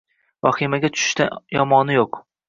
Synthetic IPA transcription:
vɒχimaɡʲat͡ʃ̪ʰʊ̥ʃɪ̥ʃt̪ajɒmɒnɪjoq

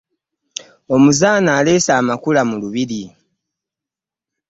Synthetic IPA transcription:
o̞muzaːnaːle̞ːsaːmakulamuluβiɾi

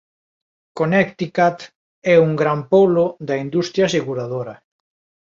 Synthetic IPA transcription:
konɛkt̪ikat̪ | ɛuŋɡɾampolod̪ɐind̪ust̪ɾjaseɣuɾað̞oɾa

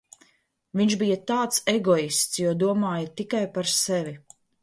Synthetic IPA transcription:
viɲʃbijat̪aːt̪seɡɔist̪sjuɔd̪uɔmaːjat̪ikajpaɾsɛvʲi

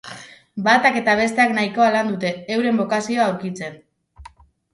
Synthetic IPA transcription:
bat̪ake̞t̪aβ̞e̞s̬t̪e̞aknaiko̞aland̪ut̪e̞ːwɾe̞mbo̞kasio̞aawɾkit͡se̞n

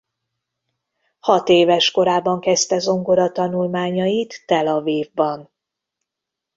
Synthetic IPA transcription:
hɒt̪eːvɛʃko̞ɾaːbːɒŋkɛst̪ɛzo̞ŋɡoɾɒt̪ɒnulmaːɲɒjit̪ːɛlɒviːvbɒn

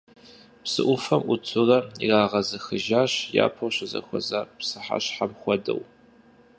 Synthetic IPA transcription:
psɨ̰ʔʷʊfɐmʔʷʊtʷʰʊrɐiraːʁɐzɨxɨʒaːɕja̰ːpʰoɕɐzɐ̰xʷɔzaːpsɨħa̰ɕħamxʷɔdɐ̰w

